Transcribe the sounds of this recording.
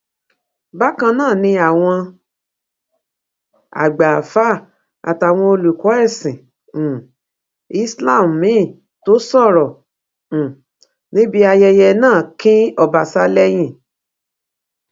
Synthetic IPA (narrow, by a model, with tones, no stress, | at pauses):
ba˦kã˧nãː˦˨nĩ˧a˨w̃ɔ̃˧ | a̰˨ɡ͡ba˨fa˦˨ | a̰˨ta˨w̃ɔ̃˧o˧lu˨kɔ˨˦ɛ˦˨sĩ˨ | i˦sla˦˨m̩˨mĩ˨˦˨ | to˨˦sɔ̃˦˨ɾɔ̃˨ | nĩ˦bi˦a˧jɛ˧jɛ˧nãː˦˨kĩ˦ɔ˧˨ba˨sa˦lɛ˦j̃ĩ˦˨